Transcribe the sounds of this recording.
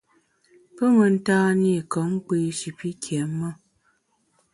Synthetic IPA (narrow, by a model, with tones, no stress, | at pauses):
pə˦mə˨n̩˦taː˦ni˦˨kə˨˦ŋ̩˦k͡pe˦ʃi˨pi˦kʰjɛ˨˦mːə˦˨